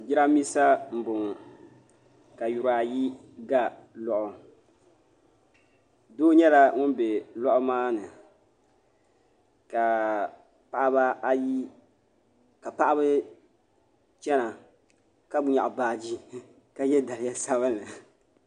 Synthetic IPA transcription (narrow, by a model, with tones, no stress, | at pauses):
d͡ʒɪ˦ɾa˦mi˦sa˦m̩˨bʊ˨ŋ˨ | ka˨ju˨ɾa˨ji˦ | ɡa˦lɔ˨ʔʊ˨ | doː˦ɲɛ˦la˨ŋʊ˦nbe˨lɔ˦ʔʊ˦maː˦nɨ˨ | ka˨ | pa˨ʔa˦ba˦a˦ji˦ | ka˨pa˦ʔa˦bɨ˦ | t͡ʃɛ˦na˨ | ka˦bʊ˦ɲa˨ʔʊ˨baː˨d͡ʒi˦ | ka˨jɛ˦da˨lɪ˨ja˦sa˦βa˦nɨ˨